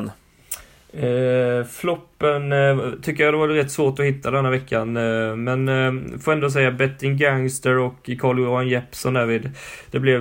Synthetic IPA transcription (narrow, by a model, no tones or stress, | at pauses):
n | flɔpːənt̪ʰʏkːəjad̪ɛvaɾɾɛt̪ːsvoːʈɔhɪt̪ːad̪ɛnːaɾvɛkʰːanmɛnfoːɛnd̪oːs̬ɛjːabɛt̪ːɪŋɡaŋst̪əɾɔkːkʰɑːɭɔanjɛpsɔnd̪æːviːd̪d̪̥ɛblɛ